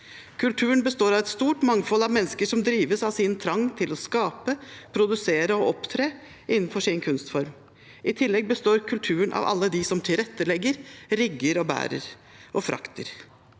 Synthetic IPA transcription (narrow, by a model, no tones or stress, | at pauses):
kʰʉlt̪ʰʉːəɳbəst̪oːɾɑʋɛt̪st̪uːʈmɑŋfɔlːɑʋmɛnːəskəʂɔmd̪ɾiːʋəsɑʋsiːnət̪ʰɾɑŋːt̪ʰɪlɔskɑːpəpʰɾʊd̪ʉseːɾəɔɔpt̪ʰɾeː | ʔɪnːnfɔʂɪnkʰʉnst̪fɔɾm | ʔɪt̪ʰɪlːɛɡ̚bəst̪oːɾkʰʉlt̪ʰʉːəɳʔɑ̰ʋɑ̰lːəd̪ɪsɔmt̪ʰɪlɾɛt̪ːəlɛɡːəɾɾɪɡːəɾɔbæ̰ːɾə̰ɾ | ɔfɾʔɑ̰kt̪ʰəɾ